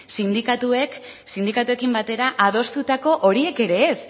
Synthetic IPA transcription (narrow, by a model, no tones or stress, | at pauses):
sind̪ikat̪ue̞k | sind̪ikat̪ue̞kimbat̪e̞ɾaʔað̞o̞st̪ut̪ako̞ʔo̞ɾie̞ke̞ɾe̞ːs